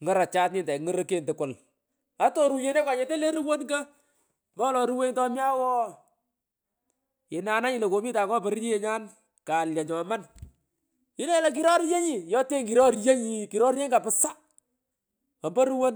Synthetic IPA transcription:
ŋə˨ɾa˨t͡ʃa˦tnɪ˨ndɛ˨ŋə˦ɾo˦ke˨ntɪ˨kʊ˨l | a˦to˦ɾu˨ɲe˦ne˦kwa˨ɲe˦te˦le˦ɾu˦wo˦nɡa˦ | mba˦lɔ˨ɾu˦we˦ɲtɔ˦mja˦wɔ˦ | ɪ˨na˨na˦ɲɪ˨le˨ko˨mi˦taː˨kɔ˦pɔ˨˦ɾɲi˦e˨ɲa˦n | ka˨lja˨ɲɔ˨ma˦n | ɪ˦ne˦la˨k̬i˦ɾɔ˦ɾje˦ɲi˨jɔ˦te˦ŋki˨ɾɔ˦ɾje˦ɲi˨ki˨ɾɔ˦ɾje˦ŋɡa˨pɪ˨sa˦ | ɔ˨mbo˦ɾu˦wo˦n

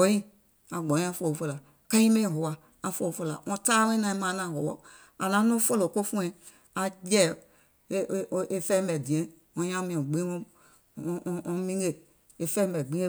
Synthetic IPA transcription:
ɔ̃˨˦ĩ˦ | a˨ɡ͡bɔ̃˨˦ĩ˦a˦˧˨fo˦˨fo˦˨la˨ | kã˦ĩ˦mẽ˦˨ɦo˨wa˨ | a˨fo˦˨fo˦la˨ɔ̃˧ta˦lẽ˦nã˨i˦mã˨˦nã˦˨ɦo˨wɔ̰˨ | a˨nã˨˦nũ˦fo˦lo˨ko˦fũ˦ɛ̃˨ | a˨jɛ˦˨˦ | ʔe˨fɛ̃˦bɛ˨dĩ˨ɛ̃˨˦ | ɔ̃˧˦ɲã˦mĩ˨˦ɛ̃˨ɡ͡bĩ˦õ˦˧ | ɔ̃˧mĩ˦ɡe˨ | e˨fɛ̃˦mbɛ˨ɡ͡bĩ˦e˦

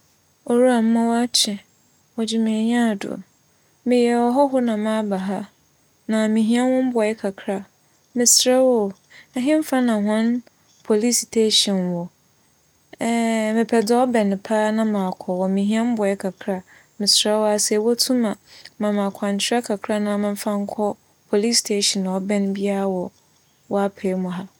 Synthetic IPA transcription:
o˨ɾu˦a˨m̩˦mã˦wa˦t͡ɕʰɛ˨ | wɔ˨d͡ʑɪ˦mɪ̃˨ɲã˦˨dʊ̰˨ | mɪ˨jɛ˨wɔ˨ɦɔ˦ɦʊ˦nã˨mã˦ba˨ɦa˦ | nã˨mĩ˨ɦĩ˦a˦wɔ̃˦m̩˦bɔ˨˦ɛ˦kʰa˨kʰɾa˨ | mɪ̃˨sɾɛ˦wɔ˦ | ɛ˨ɦɪ̃˦m̩˦fa˦nã˨ɦã˦n | pʰo˨li˦si̥˨tʰe˦ɕɔ̃˨nwɔ˨˦ | mɪ̃˨pʰɛ˨dɪ˦ɔ˦bɛ˨ñ˨pʰaː˦nã˦mã˨kʰɔ˨wɔ˨mĩ˨ɦĩ˦a˦m̩˦bɔ˨ɛ˦kʰa˨kʰɾa˨ | mɪ̃˨sɾɛ˦wɔ˦a˨sɛ˨wɔ˦tʰũ˦mã˨mã˨mã˨kʷʰã˨nt͡ɕʰɪ˦ɾɛ˦kʰa˨kʰɾa˦nã˨mɪ̃˦m̩˦fã˦ŋ̩˦kʰɔ˦ | pʰo˨li˦stʰe˦ɕɛ̃˨ñ˨ɔ˦bɛ̃˦n˦bi˦a˦a˨wɔ˨ | wɔ˦a˦pʰe˨˦mʊ̃˨ɦa˦

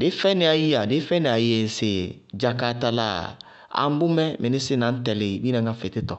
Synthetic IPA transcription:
dɪ˨˦fɛ˦nɪ˨˦a˨ji˦a˨dɪ˦fɛ˦nɪ˨a˨je˨sɪ˨d͡ʒa˨ka˨ta˨la̰˨ | a̰˨m̩˦bʊ˦mɛ˦mɪ˨nɪ˦sɪ˦nã˨˦tɛ˨lɪ˨bi˦nã˨ŋa˦fɛ˨tɪ˦tɔ˨

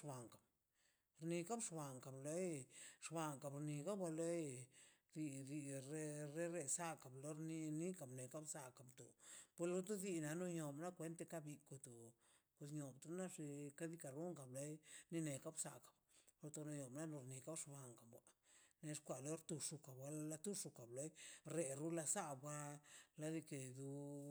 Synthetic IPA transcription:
ba˨ŋka˨b | ɾni˧ka˦bʂba˨ŋka˨ble˧˦jʂba˧˨ŋka˨bɾni˧ka˦ba˧le˦j | ɾi˧ɾi˧ɾe˦ɾe˦ɾe˧sa˦ka˨blo˦ɾni˧ni˦ka˨bne˨ka˦bsa˧ka˨bt̪o̰˨pe˧lo˧t̪o˦d̪i˧na˨no˧ɲo˨bna˦kʷe˧˦nt̪e˧ka˦bi˧ko˧t̪o˨ | pe˧s̬ɲo˨bt̪u˧na˦ʂi˧ka˦d̪i˧ka˨ɾu˦ŋka˨ble˦jni˧ne˨ka˦bsa˨kḁ˨blo˧t̪o˧no˧ɲo˨bna˦lo˧ɾni˧ka˦ʂba˨ŋka˨bwa˨ne˧ʂkʷa˨lo˦ɾt̪u˧ʂu˧ka˨bwa˧la˧t̪u˦ʂu˧ka˨ble˦jɾe˧ɾu˦la˧sa˦ba˦la˧d̪i˧ke˨˧d̪u˧

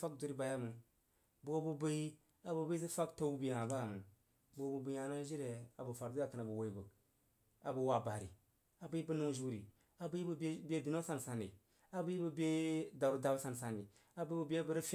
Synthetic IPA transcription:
fa˦k̚du˨ɾi˦ba˨ja˦mu˨ | bu˨o˦bu˦bə˦i˦ | a˨bu˨bə˦s̬i˦fa˦kto˦wbi˨e˨ŋa˨ba˦a˨mu˨ | bu˨o˨˦bu˨bu˦a˨na˦ʒi˦ɾe˨a˨bu˨fa˨ɾu˦a˨kə˨na˨bə˨wo˨i˦˨bə˨k | a˨bə˨wa˨ba˨ɾḭ˨ | a˨bə˦i˦bu˦nu˦ʒu˦ɾi˨ | a˨bu˦i˦bu˦be˦di˨no˦sa˦nsa˨nḭ˨ | a˨bu˦i˦bə˨be˦da˨ɾu˦da˨bsa˨nsa˨ni˨ | a˨bə˦bu˦bi˦e˦bə˦ɾə˦f

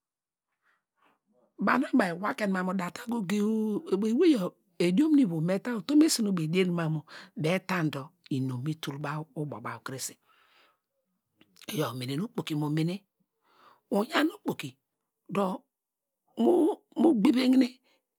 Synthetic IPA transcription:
ba˨na˦ba˨i˨wa˦ke˨n˨ma˨mo˨da˨ta˦ɡo˦ɡe˦˨e˨˦we˦jɔ˨ | e˨di˦o˦m˦ni˦˨βo˨me˦ta˦o˨to˦me˦si˦no˦˨be˨de˦n˦ma˨mo˨be˨˦ta˦n˨dɔ˨i˨no˨mi˦tu˨lba˦u˦bo̰˨ba˨u˨kɾe˦si̥˨ | jo˨mi˨ne˨nu˦k͡po˨ki˨mo˨mi˨ne˦ | u˨ja˦nu˦k͡po˨ki˨ | do˨ | mu˦ | mu˦ɡ͡be˦be˦ŋ˦ne˦

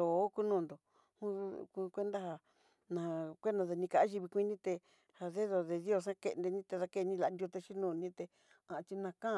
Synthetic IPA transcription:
o˨˦ku˦nũː˧˨nd̪o˨ | hũ˦ku˧kʷe˦nd̪a˦ɦa˧ | nã˨˧kʷe˦ndã˧ðe˧nĩ˧ka˨ʔa˦ʒi˧βi˧kʷi˦nĩ˦t̪e˧ | ha˧ðe˦ðo˨ðe˧ðjo˦˧˨s̬ã˦kḛ˧nd̪e˧nĩ˦t̪e˧ða˧ke˦˧nĩ˧la˧˨˧d̪jo˧t̪e˧ʃi˦nũː˧˨nĩ˦t̪e˧ | ã˧˨˧t͡ʃi˧nã˧kã˦˧

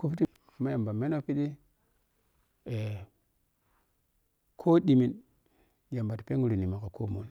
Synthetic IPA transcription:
ku˦pti˦ | ma˦ja˨mba˨me˦no˦pi˦di˦ | e˨ | kʰo˦di˨mi˨n | ja˨mba˨tpe˦ŋu˨ɾi˨ni˨ma˨ka˨ko˦˨mo˦n

